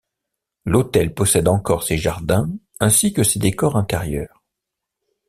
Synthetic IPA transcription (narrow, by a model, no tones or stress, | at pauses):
lot̪ɛlpɔsɛd̪ɑ̃kɔʁseʒaʁd̪ɛ̃ | ɛ̃sikəsed̪ekɔʁɛ̃t̪ɛʁjœːʁ